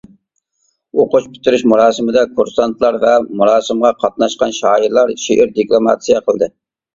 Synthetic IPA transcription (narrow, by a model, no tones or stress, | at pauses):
oqʊt͡ʃpʰy̥t̪ʰɪɾɪʃmuɾɑːsɨmɪd̪ɛkʰuɾsɑnt̪ʰlˠɑɾvɛmuɾɑːsɨmʁɑqʰɑt̪̚nɑʃqɑnʃɑːiɾlˠɑɾʃeʔɪɾd̪iklˠomɑ̰t̪sijɑqʰəlˠd̪ɨ